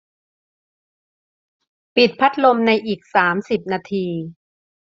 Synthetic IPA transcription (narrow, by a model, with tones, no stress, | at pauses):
pi˨˩t̪̚pʰa˦˥t̪̚lo˧mna˧jʔiː˨˩k̚saː˩˦msi˨˩p̚naː˧t̪ʰiː˧